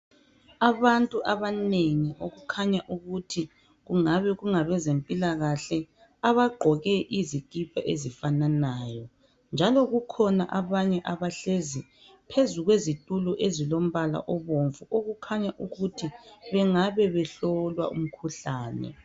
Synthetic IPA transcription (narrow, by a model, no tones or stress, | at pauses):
aβantʼuʔaβaneŋiʔoɣukʰaɲaʔuɣutʰi | ɣuŋaβɛɣuŋaβɛzempʼilaɣaɬɛ | aβaɡ͡ǃʱɔɣɛʔizikʼipʰaʔezifananaːjɔ | nd͡ʒʱalɔɣukʰɔna̰ʔaβaɲɛʔaβaɬezi | pʰezuɣwezitʼuluʔezilom̩βala̰ʔɔβoɱvuʔoɣukʰaɲaʔuɣutʰiβɛŋaβɛβɛɬɔlwa̰ṵm̩kʰuɬaːnɛ̰